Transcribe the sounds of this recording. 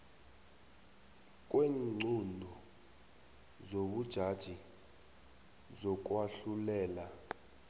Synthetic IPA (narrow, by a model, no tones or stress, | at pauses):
k̬ʼweːŋ͡ǀʱundʱɔ | zoɓud̥ʒ̥ʱad̥ʒ̥ʱi | zɔk̬ʼwaɬulɛːla